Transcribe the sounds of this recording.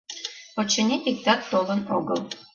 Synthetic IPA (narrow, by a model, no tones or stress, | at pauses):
pot͡ɕenʲit̪ʲik̚t̪ɑkt̪olˠə̆noɣə̰̆lˠ